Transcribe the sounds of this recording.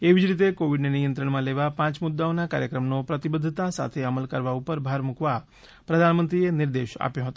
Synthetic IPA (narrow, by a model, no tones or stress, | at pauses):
eʋid͡ʒɾit̪̬ekoʋiɖnenijənt̪ɾəɳ̃mãleʋapãt͡ʃmud̪ːaonaka̰ɾjəkɾəmnopɾət̪ibəd̪ʱːt̪asa̰t̪ʰeəməlkəɾʋaupəɾbʱaɾmũkʋa | pɾəd̪ʱanmənt̪ɾieniɾd̪eʃa̰pjõɦət̪o